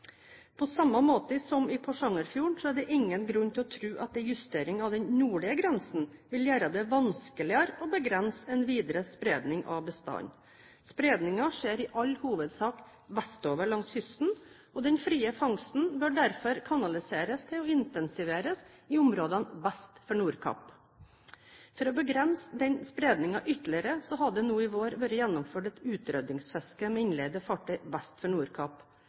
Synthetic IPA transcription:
pʰɔsɑmːɑmoːt̪əsɔmɪpʰɔʂɑŋːəɾfjuːɳsɔæɖɛʔɪŋːənɡɾʉnːt̪ʰɪlɔt̪ʰɾʉːʔɑt̪̚d̪ɛjʉst̪eːɾɪŋɑʋd̪ɛnnuːɭɪəɡɾɛnsn̩ʋɪljæːɾɑd̪ɛʋɑnskəlɪɑɾɔbəɡɾɛnsɛnʋiːd̪ɾəspɾeːd̪nɪŋʔɑ̰ʋbəst̪ɑ̰n | spɾeːd̪nɪŋɑʂeːɾɪʔɑlːhuːʋəd̪sɑːk | ʋæst̪oːʋəɭɑŋshʏst̪n̩ | ɔd̪ɛnfɾiːəfɑŋsn̩bøːɖæɾfɔɾkʰɑnɑlɪseːɾəst̪ʰɪlɔɪnt̪ɛnsɪʋeːɾəsɪʊmɾoːd̪ənbæst̪fɔɳuːɾkʰɑ̰p | fɔɾɔbəɡɾɛnsəd̪ɛnspɾeːd̪nɪŋɑʔʏt̪lɪəɾəsɔɦɑɖ̪ɛnuːɪʋoːɾʋøɾəjænːʊmføːʈɛt̪ʉːt̪ɾœd̪ɪŋsfɛskəmɛɪnleːd̪əfɑʈʰœʏbæst̪fɔɳuːɾkʰɑːp

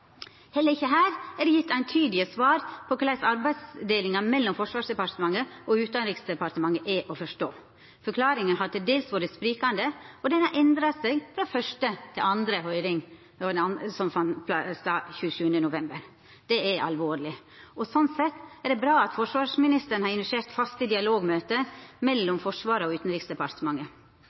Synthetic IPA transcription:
hɛlːəɾɪçːəɦæːɾɛɖɛjɪt̪ːæɪnt̪ʰyːd̪lɪəsʋɑːɾpʰɔklæɪsɑɾbæɪsd̪eːlɪŋɑmɛlːɔmfɔʂʋɑːʂd̪ɛpɑɾʈ̪əmɑŋːəʔɔʉːt̪ɑnɾɪksd̪ɛpɑɾʈ̪əmɑŋːəʔɛʔɔfɔʂʈoː | fɔɾkʰlɑːɾɪŋənɦɑd̪ɛd̪eːlsʋuːɾət̪spɾiːkɑnd̪əɔd̪ɛnhɑɾʔɛnd̪ɾɑsɛɡfɾɑfœʂʈət̪ʰɪlɑnd̪ɾəɦœʏɾɪŋ | ɔd̪ɛɑnsɔmfɑnp̪ʰst̪ɑːçʉːçʉːənənʊʋɛmbəɾ | d̪̥ɛɛʔɑ̰lʋoːɾlɪ | ɔsɔnsɛt̪ːæɖ̪ɛbɾɑːɑt̪fɔʂʋɑːʂmɪnɪst̪əɾnəhɑɾɪnʋɛʂeːɾt̪fɑst̪əd̪ɪɑloːɡmøːt̪əmɛlːɔmfɔʂʋɑːɾəɔʉːt̪n̩ɾɪːksd̪ɛpɑɾt̪əmɑŋːə

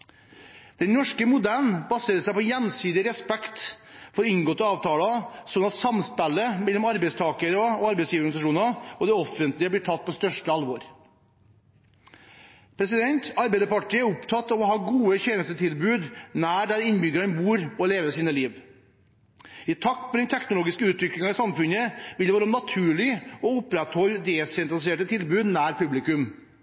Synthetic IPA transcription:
d̪̥ɛnnɔʂkəmʊd̪æːɳbɑseːɾəsæɪpɔjɛnsiːd̪ɪəɾɛspɛkt̪ | fɔɾʏnɡoːt̪ɑːʋt̪ʰɑːlɑsɔnɑt̪sɑmspælːəmɛlːɔmɑɾbɛɪst̪ʰɑːkəɾɔɔɑɾbɛɪsliːʋɔɡnɪsɑʂuːnɑɔd̪ɛɔfːənt̪lɪəb̪ɪʈʰɑt̪̚ːpʰɔst̪œʂʈəɑlʋɔɾ | pʰɾɛs̬ɪd̪ɛnt̪ɑɾbæɪd̪əɾpɑʈːiːəɛɾʊpt̪ʰɑt̪ːɑʋɔɦɑːɡuːəçeːnəst̪ət̪ʰɪlbʉːd̪næːɖæɾɪnbʏɡəɾənbuːɾɔleːʋəsiːnəliːʋ | ɪt̪ʰɑkt̪pʰɔd̪ɛnt̪ʰɛknʊloːɡɪskəʉːt̪ʰʋɪklɪŋɑɪsɑmfʉnəʋɪld̪ɛʋːɾɔmnɑt̪ʰʉːɭɪɔʊpːɾɛt̪hɔlːd̪eːsɛnt̪ɾɑlɪseːʈət̪ʰɪlbʉːd̪næːɾpʰʉblɪkʉm

